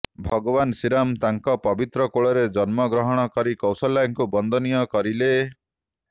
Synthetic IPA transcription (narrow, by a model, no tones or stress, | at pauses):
bʱɔɡɔbansiɾamt̪aŋkɔpɔbit̪ɾɔkoɭɔɾed͡ʒɔnmɔɡɾɔɦɔɽ̃ɔkɔɾikɔwsɔlːaŋkubɔnd̪ʱɔnijɔkɔɾile